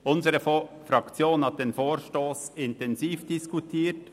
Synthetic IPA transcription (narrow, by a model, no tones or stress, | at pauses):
ʔʊnzəɾəfɾɑkt͡sjoːnhɑt̚d̥eːnfoːɾʃtoːsɪntɛnziːfd̥iskutʰiːt